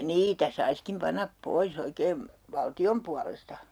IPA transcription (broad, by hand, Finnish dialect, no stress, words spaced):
niːtæ sɑiskim pɑnɑp pois oikeːm ʋɑltiom puɑlestɑ